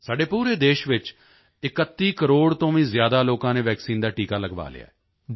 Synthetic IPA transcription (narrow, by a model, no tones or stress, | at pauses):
saːɖeːpuːɾeːd̪eːʃʋɪt͡ʃ | ɪkət̪ːiːkəɾoːɽt̪õːʋĩːzjaːd̪aːloːkãːnẽːʋɛːksiːnd̪aːʈiːkaːləɡʋa̰ːlɪ̰ja̰ːɛː